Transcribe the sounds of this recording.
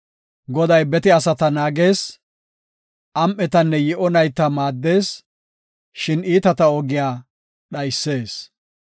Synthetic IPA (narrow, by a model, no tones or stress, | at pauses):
ɡɔd̪ɐjbɛt̪ɪɐsɐt̪ɐnaːɡe̞ːs | ʔɐmʔɛt̪ɐnːɛjɛʔɔnɐjt̪ːɐmaːd̪ːe̞ːs | ʃɪniːt̪ɐt̪ɐɔɡɪjaː | ɗɐjsːe̞ːs